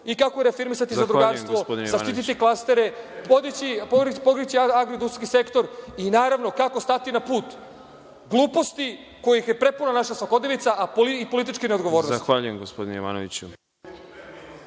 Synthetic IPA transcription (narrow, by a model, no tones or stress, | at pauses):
ikakoɾefiɾmisat̪izad̪ɾuɡaːɾst̪ʋopod̪zaʃt̪it̪it̪iklˠast̪e̞ɾe̞pod̪it͡ɕipoɾpokɾit͡ɕiaɡɾod̪uskisekt̪o̞ɾinaːɾaʋno̞kakost̪at̪inapuːt̪ | ɡlˠuːpo̞st̪i | ko̞jixjepɾe̞punanaʃasʋako̞d̪nelit̪saʔapolipo̞lit̪̬it͡ʃkined̪ɡo̞ʋo̞ːɾnozsatxʋaʎujemɡospod̪ineiʋa̰ːnoʋḭt͡ɕu